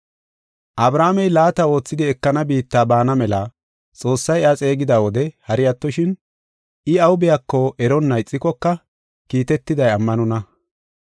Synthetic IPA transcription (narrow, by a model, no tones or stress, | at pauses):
ʔɐbɾaːmɛjlaːt̪ɐo̞ːt͡sːɪd̪ɪɛkːɐnɐbiːt̪ːaːbaːnɐmɛlɐ | t͡sʼo̞ːsːɐjɐt͡sʼe̞ːɡɪd̪awɔd̪ɛhɐɾɪjɐt̪ːɔʃɪn | ɪɐwʊbɪjakːɔɛɾɔnːɐɪt͡sʼːɪkɔkːɐ | kiːt̪ɛt̪ːɪd̪ɐjɐmːɐnɔnɐ